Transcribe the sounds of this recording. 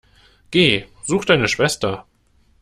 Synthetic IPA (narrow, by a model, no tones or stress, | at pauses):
ɡ̥eː | z̥uːxd̥aɪnəʃv̥ɛstɐ